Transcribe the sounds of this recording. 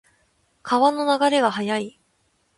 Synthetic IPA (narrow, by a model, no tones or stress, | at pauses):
kʰaβano̞naɡaɾe̞ɡahajai